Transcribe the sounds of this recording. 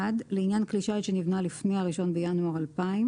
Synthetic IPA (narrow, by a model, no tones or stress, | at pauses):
adleinjankliʃaʃe̞nivnalifnehaʁiʃo̞nbejanuaʁalpaim